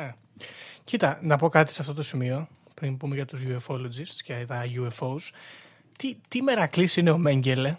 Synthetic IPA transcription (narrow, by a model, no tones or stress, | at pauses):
e | cit̪ɐnɐpo̞kɐt̪i̥seɐft̪o̞t̪o̞simio̞ | pɾimbume̞ʝɐt̪uzʝue̞fo̞lod͡zist̪scet̪ɐʝuefo̞us | t̪it̪ime̞ɾɐklisine̞o̞me̞ɲɟe̞le